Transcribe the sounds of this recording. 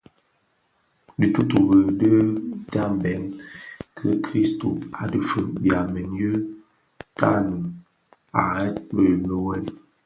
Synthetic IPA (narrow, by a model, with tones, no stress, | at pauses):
di˨tu˦tu˨bə˨də˦da˦m˨bɛ˨˦ŋkʰə̰˦kɾi˦sto̰˨a˨də˨fə˨bja˨mə˨n˦jə˦ | tʰa̰˦nə˨ | a˨ɛ˦t̚bə˨lo˦wɛ˦n